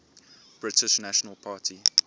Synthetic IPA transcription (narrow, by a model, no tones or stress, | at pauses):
b̥ɹɪtɪʃnaʃənəlˠpʰaːtʰi